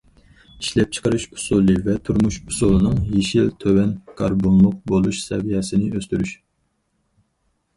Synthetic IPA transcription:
iʃlɛp̚t͡ʃʰə̥qəɾɨʃu̥sulˠɨvɛt̪ʰuɾmuʃusulˠɨnɨŋjeʃilt̪ʰøwɛnkʰɑɾbonlˠʊq̚bolˠuʃsɛ̰vijɛsɪnɪøst̪yɾyʃ

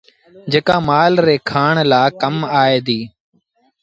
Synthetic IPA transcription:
d͡ʒeːkaːmaːlɾeːkʰaːɳlaːkəmaːeːd̪iː

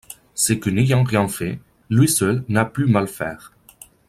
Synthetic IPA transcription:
səkənejɑ̃ʁjɛ̃fɛ | lɥisœlnaplymalfɛ̰ːʁ

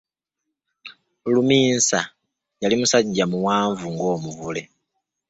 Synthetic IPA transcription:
lumiːnsa | jalimusaɲɟamuwaːɱvuŋɡo̞ːmuvule̞

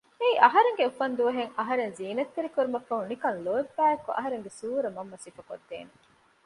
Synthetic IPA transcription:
eiʔɐɦɐɾeŋɡeufɐnd̪uʋɐɦeŋɐɦɐɾenziːnɐt̪ːeɾikuɾumɐfːɐɦunikɐnloebːæːekuʔɐ̰ɦɐɾeŋɡesuːɾɐmɐmːɐsiːfɐko̰d̪ːḛːne

